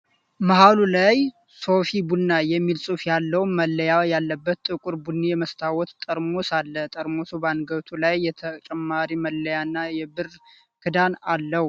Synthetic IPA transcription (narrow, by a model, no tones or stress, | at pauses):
məɦalulaj | so̞fibunːajɛmːilsʼufjalːəwnməlːəjajalːəbːət̪t̪ʼːɨkʼʊɾbunːijɛməst̪ʰawɔt̪t̪ʼəɾmosalːət̪ʼəɾmosubanɡəβt̪ʰulajːɛt̪ʰət͡ʃʼɛmːaɾiməlːəjanːajɛbɨr | kʰɨd̪analːəwu